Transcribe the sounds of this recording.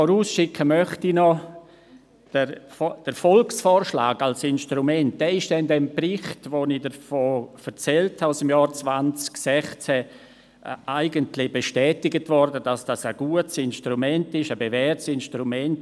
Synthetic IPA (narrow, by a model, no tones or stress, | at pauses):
fɔɾuːsʃɪkʰːəmœχtinɔ | d̥əd̥əɾfɔlksfɔːɾʃla̰ːɡalsɪnʃtɾumɛnt̚d̥ɛɪʃd̥ɛndɛmprɪχtʋonidəɾfoːfɛɾt͡sɛlthaʊsɪmjɑːɾt͡svant͡sksɛχt͡sɛ | aɪɡəntlɪbeʃtɛːtɪɡətvɔrdəd̥asd̥asəɡ̥uət͡sɪnʃtɾumɛntɪʃəbevɛrtsɪnʃtɾumɛnt